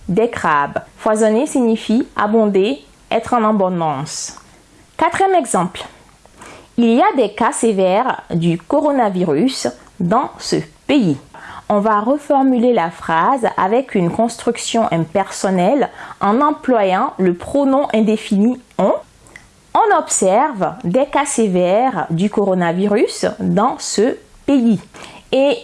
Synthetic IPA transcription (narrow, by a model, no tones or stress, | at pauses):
d̪ɛkχabfwazɔnesiɲifia̰bɔ̃d̪e | ɛt̪χɑ̃nɑ̃bɔ̃d̪ɑ̃s | kat̪χijɛmɛɡzɑ̃pl | iliad̪ɛkasevɛʁd̪ykɔʁɔnaviʁys | d̪ɑ̃səpeiɔ̃vaʁəfɔʁmylelafχaza̰vɛkynkɔ̃st̪χyksjɔ̃ʔɛ̃pɛʁsɔnɛlɑ̃nɑ̃plwajɑ̃ləpχonɔ̃ʔɛ̃d̪efiniɔ̃ | ɔ̃nɔpsɛʁvd̪ɛkasevɛʁd̪ykɔʁɔnaviʁysd̪ɑ̃sə | peie